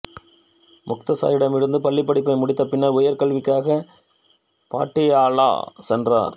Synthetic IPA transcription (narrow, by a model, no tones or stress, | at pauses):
mʊk̚t̪ɐsa̰ːjɪɽɐmɪɽɯnd̪ɯpɐɭːɪpːɐɽɪpːɐɪmʊɽɪt̪ːɐpːɪnːaːɾʊjɐɾkɐɭʋɪkːaːɣɐ | pa̰ːʈːɪjaːla̰ːsɛndra̰ːɾ